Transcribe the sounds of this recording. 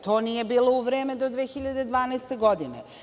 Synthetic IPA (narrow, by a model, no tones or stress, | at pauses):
t̪o̞ːnije̞biːlo̞uʋɾeːme̞d̪o̞d̪ʋexiʎad̪ed̪ʋaːnɛjst̪e̞ɡo̞d̪inḛ